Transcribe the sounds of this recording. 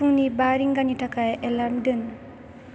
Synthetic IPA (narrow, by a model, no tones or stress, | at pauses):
uŋnibaɾiŋɡanitʰakʰajelamdɯn